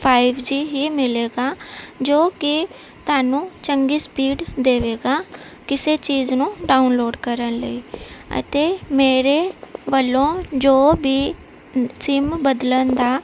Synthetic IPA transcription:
pʰaːɪʋd͡ʒiːɦiːmɪleːɡaːd͡ʒoːkɪ | t̪ʊaːnũːt͡ʃəŋɡiːspiːɖd̪eːʋeːɡaː | kɪseːt͡ʃiːznũːɖaːʊnloːɖkəɾənlə̰iːə̰t̪eːmeːɾeːʋəlõːd͡ʒoːbiː | sɪmbəd̪lənd̪aː

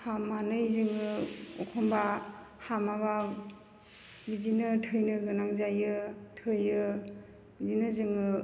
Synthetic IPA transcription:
hamːanɯjzɯŋɯɔkʰɔmba | hamaβa | bidinɯtʰɯjnɯɡɯnaŋzajɯtʰɯjɯ | bidinɯzɯŋɯ

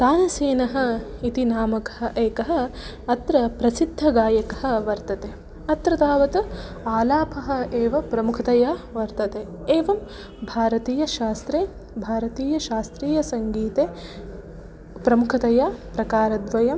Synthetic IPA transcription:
t̪aːnɐseːnɐɦɐ̆it̪inaːmɐkɐ̥ɦɐ̆ʔeːkɐɦɐ̆ | ɐt̪ɾɐpɾɐsid̪ʱːɐɡaːjɐkɐɦɐ̆ʋɐɾt̪ɐt̪eː | ɐt̪ɾɐt̪aːʋɐt̪u | aːlaːpʰɐɦɐ̆eːʋɐpɾɐmukʰɐt̪ɐjaːʋɐɾt̪ɐt̪eː | eːʋɐm | bʱaːɾɐt̪iːjɐʃaːst̪ɾeː | bʱaːɾɐt̪iːjɐʃaːst̪ɾiːjɐsɐŋɡiːt̪eː | pɾɐmukʰɐt̪ɐjaːpɾɐkaːɾɐd̪ʋɐjɐm

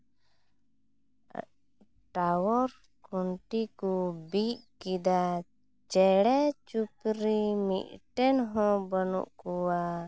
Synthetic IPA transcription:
ʈawɔɾ | kɔɳʈikubiʔkid̪a | t͡ʃɛɽɛt͡ʃupɾimḭʔʈɛnɦɔ̃bənṵʔkuwa

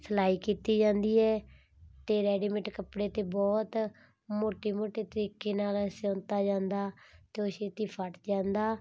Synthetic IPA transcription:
sʰəlaːiːkiːt̪iːd͡ʒãːnd̪iːɛː | t̪eːɾɛːɖiːməʈkəpɽeːt̪eːbɔːt̪ | moːʈeːmoːʈeːt̪əɾiːkeːnaːlsɔ̃ːnt̪aːd͡ʒãːnd̪aːt̪eːoseːt̪iːpʰəʈd͡ʒãːnd̪aː

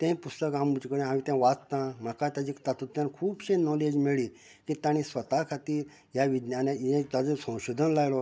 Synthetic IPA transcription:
t̪ɛ̃jpust̪əkɦãmːud͡ʑikəɽẽɦamit̪ɛ̃ʋatt̪ãm̤əkat̪jad͡ʑikt̪at̪ut̪jãnkʰuːbɕẽnɔled͡ʑmeɭiː | kit̪ãɽ̃ĩsʋət̪akʰat̪iːɾ | jaʋid̪njanaɛ̃t̪ad͡zəsə̃w̃ɕod̪ʱənlajlɔ

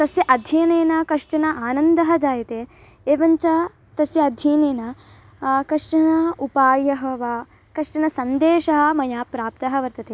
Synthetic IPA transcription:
t̪ɐsjɐʔɐd̪ʱjɐːneːnɐkɐʂʈɐnɐʔaːnɐnd̪ɐɦɐd͡ʒaːjɐt̪eː | eːʋɐɲt͡ʃɐ | t̪ɐsjɐɐd̪ʱjiːneːnɐ | kɐʂʈɐnɐupaːjɐɦɐʋɐ | kɐʂʈɐnɐsɐnd̪eːʃɐɦɐ̆mɐjaːpɾaːp̚t̪ɐɦɐʋɐɾt̪ɐt̪eː

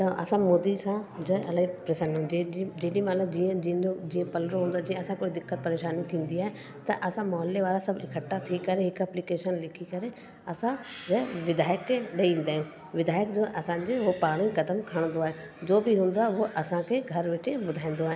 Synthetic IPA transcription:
t̪ɐʔɐ̰sãmoːd̪isãd͡ʑɐɐlaipɾeːsaːniɦũd͡ʑeːɗimaːləbd͡ʑiːə̃d͡ʑĩːod͡ʑiːə̃pɐlɾoɦũnd̪oaɦed͡ʑĩə̃ɐsãkoːid̪ɪkːət̪̚pɐɾeːʃaːnit̪ʰĩːn̆d̪iaːɦe | t̪ɐʔɐsãmɔːəlːeʋaːɾasɐbʱɪ̰kʰəʈːat̪ʰikɐɾeɦɪkɛːplikeːʃənlɪkʰikɐɾe | ɐsãd͡ʑɐʋɪd̪aːjəkːeɗɐiĩːnd̪aːɦɪ̃ũ | ʋɪd̪aːjəkd͡ʑoːʔɐsãːɲd͡ʑeɦopaːɽ̃ikɐd̪əmkʰəɽ̃nd̪oaːɦe | d͡ʑoːbʱiɦũːnd̪oaːɦeɦoʔɐsãkʰeɡʱɐɾʋɪʈʰebʊd̪ʱaːĩn̆d̪oaːɦe

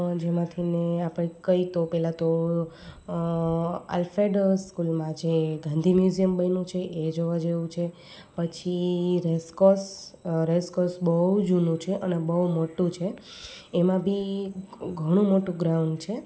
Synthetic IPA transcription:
d͡ʒemãt̪ʰineapɽẽkəit̪opɛlat̪o | a̰lfɾeɖəɾskulmãd͡ʒeɡʱãnd̪ʱimjuzijəmbənũt͡ʃʰeʔed͡ʒoʋad͡ʒeʋũt͡ʃʰe | pət͡ʃʰiɾeskosɾeskosbəud͡ʒunũt͡ʃʰeʔənebəɦumoʈũt͡ʃʰeː | mãbʱi | ɡʱəɽ̃ũmoʈũɡɾaũɳɖt͡ʃʰe

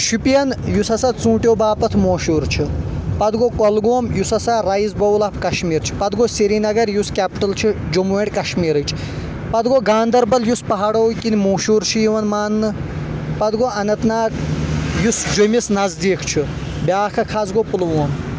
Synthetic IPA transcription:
ʃupijɐnjusɐsɐt͡sũːʈʲjoːbaːpɐt̪ʰmoːʃuːɾt͡ʃʰipɐd̪ɡokɐlɡoːmjusɐsaɾɐjzbɐwlɐpʰkɐʃmiːɾt͡ʃʰi̥pɐd̪ɡoseɾinɐɡɐɾjuskʲɛːpʈɐlt͡ʃʰid͡ʒomuʋeɽʲkɐʃmiːɾɨt͡ʃʰ | pɐd̪ɡoɡaːnd̪ɐɾbɐljuspɐɦaɽoːkinimuːʃuːɾt͡ʃʰijiʋɐnmaːnːɨ | pɐd̪ɡoɐnɐt̪naːkjusd͡ʒomisnɐzd̪iːkt͡ʃʰi | bʲaːkʰɐkʰazɡopulʋoːm

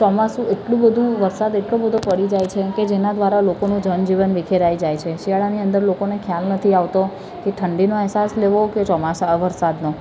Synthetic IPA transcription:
t͡ʃɔmasũeʈlũbəd̪ʱũʋəɾsad̪eʈlobəd̪ʱopəɽid͡ʒajt͡ʃʰeked͡ʒenad̪ʋaɾalokonũd͡ʒənd͡ʒiʋənʋikʰeɾajd͡ʒajt͡ʃʰeʃiaɭaniə̃nd̪əɾlokonekʰjalnət̪ʰiaʋt̪o | keʈʰəɳɖinoɛɦsasleʋoket͡ʃɔmasaʋəɾsad̪no

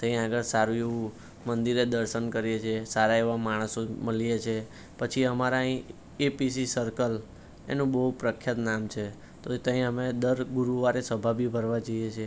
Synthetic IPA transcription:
t̪ə̃ɦĩaɡəɾsaɾũeʋũ | mənd̪iɾed̪əɾʃənkəɾijet͡ʃʰesaɾaeʋamaɽ̃əsoməlijet͡ʃʰe | pət͡ʃʰiəmaɾaɦĩ | episisəɾkəl | ḛnũbəɦupɾəkʰːjət̪namt͡ʃʰe | t̪ot̪əɦĩəmed̪əɾɡuɾuʋaɾesəbʱabʱibʱəɾʋad͡ʒəjet͡ʃʰe

